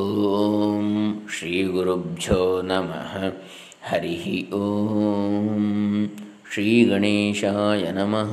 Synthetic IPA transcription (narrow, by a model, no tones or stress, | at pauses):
oːomʃɾiːɡuɾubd͡ʒʱoːnɐmɐ̰ɦɐ | hɐɾiɦioː | m | ʃɾiːɡɐɳiːʃaːjɐnɐmɐɦ